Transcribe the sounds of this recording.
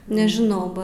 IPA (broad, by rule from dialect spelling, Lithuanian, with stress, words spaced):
nʲɛʒʲɪˈnɐʊ ˈbɐ